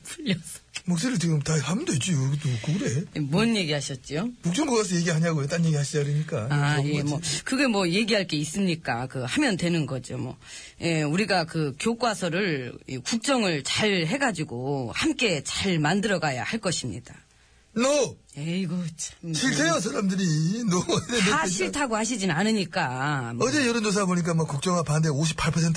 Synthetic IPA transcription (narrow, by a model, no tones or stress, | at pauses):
puʎːʌsʌ̥mok̚s͈eɾɯɭt͡ɕiɡɯmtahʰamndoit͡ɕ͈ioɡt͈okɯɡɯɾejemwʌnje̞ɡiɦaɕʰʌt̚t͡ɕ͈iokuk̚t͡ɕ͈ʌŋɡoɡasʰʌjeɡiɦaɲaɡojot͈anjeɡiɦaɕʰid͡ʑaɾiɲik͈aaje̞mwʌkɯɡe̞mwʌje̞ɡiɦaɭk͈e̞is͈ɯmɲik͈akɯhamjʌndwe̞nɯnɡʌd͡ʑio̰mwʌ̰ | je̞uɾiɡakɯkjok͈wasʰʌɾɯɭikuk̚t͡ɕ͈ʌŋɯɭt͡ɕaɭɦe̞ɡad͡ʑiɡohamk͈e̞t͡ɕaɭmandɯɾʌɡaja̰haɭk͈ʌɕʰimɲḭd̥a | no | eɡɯt͡ɕʰo̥ɕʰiɭtʰejos̬ʰaɾamdɯɾinoemaɕʰiɭtʰaɡohaɕ̬ʰid͡ʑinanɯɲik͈amʌd͡ʑejʌɾʌnos̬ʰaboɲik̬͈amʌkuk̚t͡ɕ͈ʌŋapandeoɕ̬ʰi̥pʰːaɭpʰʌsʰentʰ